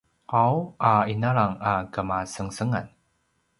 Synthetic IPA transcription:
ʔawʔainaɭaŋakəmasəŋsəŋa̰n

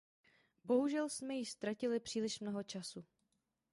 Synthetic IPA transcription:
bo̞ɦuʒɛlsmɛjɪʃst̪ɾacɪlɪpr̝̥iːlɪʃmnoɦo̞t͡ʃasu

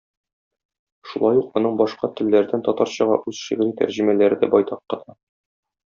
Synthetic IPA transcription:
ʃulˠɑjuqɒnɤɴbɒʃqɑt̪ɘ̆lːæɾd̪ænt̪ɒt̪ɑɾɕɤ̆ʁɑ̰ʔʉzʃiʁɘ̆ɾit̪æ̰ɾʑɘ̆mælæɾɘ̆d̪æbɒjt̪ɑqːɤ̆t̪ɑ

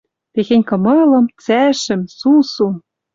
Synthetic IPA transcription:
t̪exenʲkɤ̆mɤ̆lɤ̆mt͡sæʃɘ̆msusum

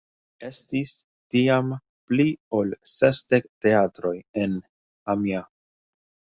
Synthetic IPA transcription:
e̞stis | tiam | pliolsesdekte̞atɾo̞je̞n | amia

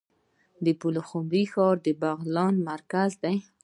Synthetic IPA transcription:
d̪əpuloxumɾixɑɾd̪əbaɣlɑnmaɾkazd̪aj

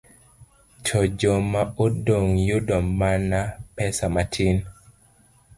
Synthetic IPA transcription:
t͡ʃʰod͡ʒomaodoŋjudɔmanapɛsamatʰin

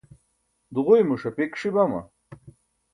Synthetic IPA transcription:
d̪uʁujmuʂɐpikʂibɐmɐ̰

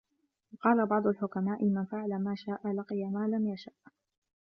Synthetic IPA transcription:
wqɑːlabɑʕd̪ˤʊlħʊkamaːʔɪmanfɪʕalamaːʃaːʔalɑqijamaːlamjaʃaʔ

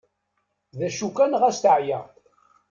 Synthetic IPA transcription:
ðæʃukːænʁæsθəʕjæ

